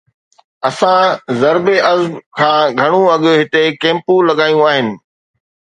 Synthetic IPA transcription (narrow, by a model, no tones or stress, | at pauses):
ɐsãzɐɾbeʔɐzbkʰãːɡʱɐɽ̃ũɐɠjoɦɪt̪ekẽːmpulɐɠaːjũaːɦɪnɪ̆